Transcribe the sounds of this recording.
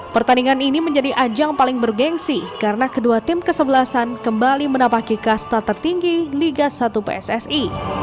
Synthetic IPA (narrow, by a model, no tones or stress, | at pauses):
pərt̪aniŋaniniməɲd͡ʒadiʔad͡ʒaŋpalɪŋbərɡɛŋsikaɾənakəduat̪ɪmkəsəbəlasankəmbalimənapakikast̪at̪ərt̪iŋɡiliɡasat̪upḛɛsɛsi